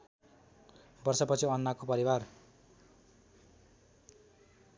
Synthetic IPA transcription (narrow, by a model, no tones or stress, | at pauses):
bʌrsʌpʌt͡sʰiʌnːakopʌɾiwar